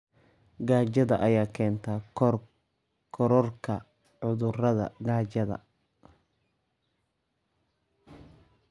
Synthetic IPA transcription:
ɡaːt͡ʃɐðɐʔɐjaːkʰɛːnt̪ʰɐ | kʰɔɾɔrkʰɐ | ʕʊðʊrɐðɐ̰ɡaːt͡ʃɐðɐ̰

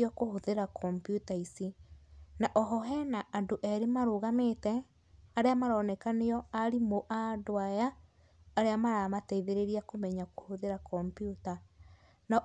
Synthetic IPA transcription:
ɔkohoðeɾakʰɔmpjutaisinaʔɔɦɔɦɛnaʔandoʔɛɾemaɾoːɣameːtɛ | aɾeamaɾɔnɛkaneɔaɾimoʔadoajaː | ɾeamaɾamatɛiðeɾeɾiakomɛɲakohoðeɾakɔmpjuta | na

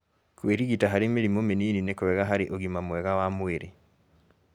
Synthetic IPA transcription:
kweɾiɣitaɦaɾemeɾimomeniːninekowɛɣaɦaɾiʔoɣimamwɛɣawamweɾe

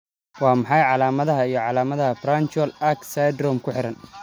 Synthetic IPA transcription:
wɑːmɑħɑjʕɑlaːmɐðɐɦɐijɞʕɑlaːmɐðɐɦɐfrant͡ʃwɐlɐksajd̪rɔmkʰʊħɪɾɐn

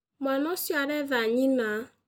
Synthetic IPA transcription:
mʷanɔsjaɾevaɲina

